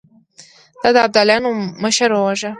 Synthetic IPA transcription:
d̪̥ɑd̪əab̚d̪ɑljɑnoməʃaɾwəwaʒa

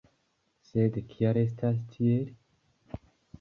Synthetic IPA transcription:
sed̪ekʰiaɾes̬t̪ʰas̬tʰieɾ

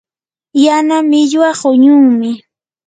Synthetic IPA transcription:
janamɪʎwaɢʊɲʊŋmɪ

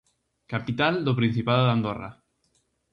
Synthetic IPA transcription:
kapit̪ald̪opɾin̟θipaðoðand̪ora̰

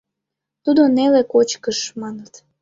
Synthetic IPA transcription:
t̪ud̪onelekot͡ɕkəʃmɑnət̪

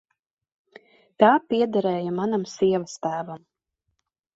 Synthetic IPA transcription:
t̪aːpiɛd̪aɾɛːjamanamsiɛvast̪æːvam

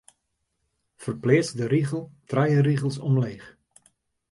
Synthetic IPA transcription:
fərplɪːsdəɾiɣəlˠtrɛjəriɣəlˠsɔmleːχ

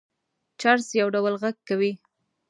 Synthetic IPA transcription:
t͡ʃaɾsjawɖawəlɣaɡ̚kawi

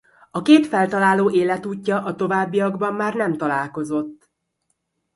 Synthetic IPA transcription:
ɒkeːt̪fɛlt̪ɒlaːloːʔeːlɛt̪uːcːɒʔɒt̪o̞vaːbːijɒɡbɒmːaːrnɛmt̪ɒlaːlko̞zo̞t̪ː

